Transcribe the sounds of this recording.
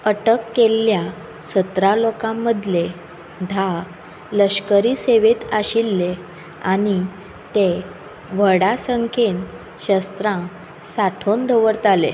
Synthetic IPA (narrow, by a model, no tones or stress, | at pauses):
əʈəkːelːja | sət̪ɾalokãmːəd̪ʱle | d̪ʱa | ləɕkəɾiseʋet̪aɕilːe | aɽñi | t̪e | ʋəɽasəŋken | ɕəst̪ɾã | saʈʰond̪ʱəʋəɾt̪alḛ